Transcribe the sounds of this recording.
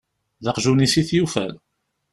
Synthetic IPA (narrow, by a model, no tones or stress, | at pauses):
ðəqʒunisiθjufæ̰l